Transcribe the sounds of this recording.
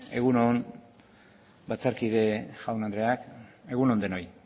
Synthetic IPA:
e̞ɣunon | bat͡saɾkiðeʝawnand̪ɾe̞ake̞ɣuno̞nd̪eno̞j

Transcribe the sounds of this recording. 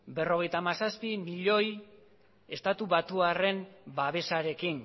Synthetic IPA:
be̞ro̞ɣe̞jt̪amasaspimiʎo̞j | e̞st̪at̪uβat̪uare̞mbaβe̞saɾe̞kin

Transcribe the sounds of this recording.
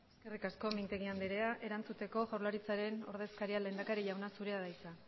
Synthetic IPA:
eske̞rikasko̞mint̪e̞ɣiand̪eɾe̞aʔe̞ɾant͡sut̪e̞ko̞ʝawɾlaɾit͡saɾe̞no̞ɾðe̞skaɾiale̞ːnd̪akaɾiʎawnasuɾe̞aðajt͡sa

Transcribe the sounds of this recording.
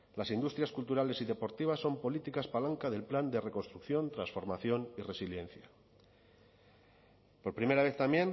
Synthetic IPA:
lasind̪ust̪ɾjaskult̪uɾale̞siðe̞po̞ɾt̪iβ̞asːo̞mpo̞lit̪ikaspalaŋkaðe̞lpland̪e̞re̞ko̞nst̪ɾukθjo̞nt̪ɾansfo̞ɾmaθjo̞nire̞siljẽ̞n̟θja | po̞ɾpɾime̞ɾaβ̞e̞θt̪amje̞n

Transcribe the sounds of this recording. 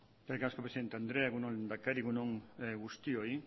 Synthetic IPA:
kelkaskopɾsiðent̪eand̪ɾeaɣunolnd̪akeɾiɣunoŋeɡust̪ioj

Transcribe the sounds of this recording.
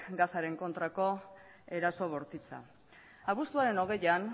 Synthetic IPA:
ɡasaɾe̞ŋko̞nt̪ɾako̞ | e̞ɾaso̞β̞o̞ɾt̪it͡sa̰ | aβust̪uaɾe̞no̞ɣ̞e̞jan

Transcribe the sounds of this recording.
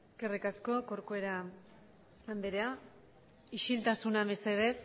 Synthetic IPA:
eske̞rikasko̞ko̞ɾkoe̞ɾa | land̪eɾea | iʃilt̪asunaβeseð̞es

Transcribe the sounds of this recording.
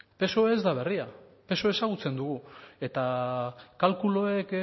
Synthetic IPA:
pe̞so̞eːzd̪aβ̞e̞riape̞so̞e̞saɣut͡se̞nd̪uɣ̞ue̞t̪akalkulo̞ek

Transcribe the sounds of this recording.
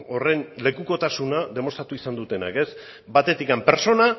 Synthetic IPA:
ore̞nle̞kuko̞t̪asunaðe̞mo̞st̪ɾat̪uisand̪ut̪e̞na̰ke̞s | bat̪e̞t̪ikampe̞ɾt͡so̞na

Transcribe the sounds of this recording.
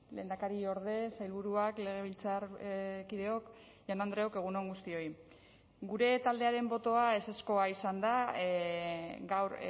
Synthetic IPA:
le̞̰ːnd̪akaɾio̞ɾðe̞sajlβuɾuakle̞ɣ̞e̞β̞ilt͡saɾkiðe̞o̞k | janand̪ɾe̞o̞ke̞ɣ̞uno̞ŋɡust̪io̞j | ɡuɾe̞t̪ald̪e̞aɾe̞mbo̞t̪o̞ae̞se̞sko̞aisand̪a | ɡawɾ

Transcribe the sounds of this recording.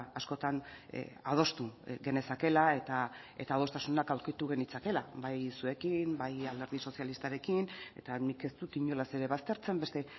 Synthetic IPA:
asko̞t̪an̰að̞o̞st̪uɣe̞ne̞sake̞lae̞t̪a | e̞̰t̪aːð̞o̞st̪asunakawɾkit̪uɣe̞nit͡sake̞laβajsue̞kimbajald̪e̞ɾð̞iso̞sialist̪aɾe̞kine̞̰t̪anike̞st̪ut̪iɲo̞lase̞ɾe̞βast̪e̞ɾt͡se̞mbe̞st̪e̞

